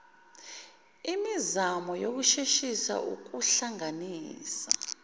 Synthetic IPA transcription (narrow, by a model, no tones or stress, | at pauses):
imizamɔjok̬uʃeʃisa̰ʔṵk̬uɬaŋaniːsa